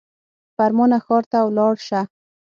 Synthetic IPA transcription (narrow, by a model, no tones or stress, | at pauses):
faɾmɔnaxɔɾt̪awlɑɽʃa